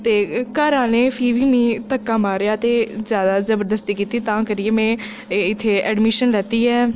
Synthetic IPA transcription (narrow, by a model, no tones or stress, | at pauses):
t̪eːkaːɾãːneːpʰiːʋiːmĩːt̪əkːaːmaːɾejaːt̪eːzjaːd̪aːzəbəɾd̪əst̪iːkiːt̪iːt̪ãːkəɾɪeːmɛ̃ː | ɪt̪ʰːeːɛːɖmɪʃənlɛːt̪iːɛː